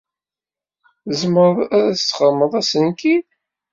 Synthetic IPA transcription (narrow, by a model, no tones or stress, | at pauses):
zməɾˤæɾæθsχəɾməðˤæsənkin